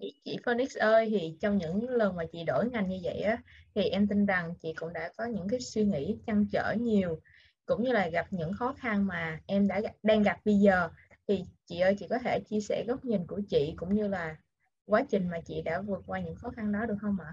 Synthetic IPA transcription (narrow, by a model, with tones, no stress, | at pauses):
ɲḭ˧˥t͡ɕḭ˧˨fəː˧ni˦˥k̚sʔəː˧jt̪ʰi˨˩t͡ɕɔ˧wŋ͡mɲɨ̰˧˥ŋlə˨˩nmaː˨˩t͡ɕḭ˧˨ɗo˧˩jŋa˨˩jŋɲɨ˧və̰˧˨jʔaː˨˦t̪ʰi˨˩ʔɛ˧mt̪i˧nza˨˩ŋt͡ɕḭ˧˨kʊ̰˧˥ŋ͡mɗa̰ː˧˥kɔ˨˦ɲɨ̰˧˥ŋkaː˨˦jswi˧ŋḭ˧˥t͡ɕa˧ŋt͡ɕə̰ː˧˩ɲi˨˩əw | kʊ̰˧˥ŋ͡mɲɨ˧laː˨˩ɣa˨˩p̚ɲɨ̰˧˥ŋxɔ˨˦xa˧nmaː˨˩ʔɛ˧mɗa̰ː˧˥˧ɗa˧ŋɣa˨˩p̚ɓə˧zəː˨˩ | t̪ʰi˨˩t͡ɕḭ˧˨ʔəː˧jt͡ɕḭ˧˨kɔ˨˦t̪ʰe˧˩t͡ɕi˧əsɛ̰˧˩ɣə˦˥wk͡p̚ɲï˨˩ŋku˧˩ət͡ɕḭ˧˨kʊ̰˧˥ŋ͡mɲɨ˧laː˨˩ | kwaː˨˦t͡ɕï˨˩ŋ̟maː˨˩t͡ɕḭ˧˨ɗa̰ː˧˥vɨ˨˩ət̚kwaː˧ɲɨ̰˧˥ŋxɔ˨˦xa˧nɗɔ˨˦ɗɨ˨˩ək̚hə˧wŋ͡mʔa˧˩